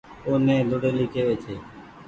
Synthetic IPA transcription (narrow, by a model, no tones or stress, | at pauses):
oːnẽːd̪oːɽeːliːkeːʋeːt͡ʃʰeː